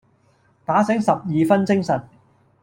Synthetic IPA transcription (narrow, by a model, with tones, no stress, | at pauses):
t̪aː˨˥sɪ˨˥ŋsɐ˨p̚jiː˨fɐ˥nt͡sɪ˥ŋsɐ˨t̚